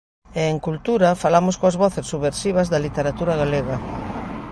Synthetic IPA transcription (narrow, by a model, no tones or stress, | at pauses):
eːŋkult̪uɾɐfalamʊskoɐzβɔθesːuβeɾsiβ̞ɐzðɐlit̪eɾat̪uɾaɣaleɣɐ